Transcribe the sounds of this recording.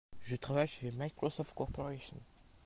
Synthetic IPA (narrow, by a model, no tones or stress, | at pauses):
ʒət̪χavajʃemajkʁɔsɔft̪̚kɔʁpɔʁɛʃə̰n